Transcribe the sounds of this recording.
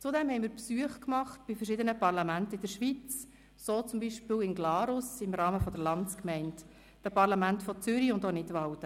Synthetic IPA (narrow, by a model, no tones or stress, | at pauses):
t͡sʊdɛmhɛɪmiːɾpsuəχkmɑχt̚b̥ɪfəɾʃɪdənəpɑrlɑmæntəɪdəɾʃʋit͡s | soːt͡sʊmbiʃpɪːwɪnɡlɑːɾʊsɪmɾɑːməfɔdəɾlɑnt͡skmɛɪnt | d̥əpɑɾlɑmæntfɔt͡sʏɾiʊndoːnɪdʋɑwd̥ə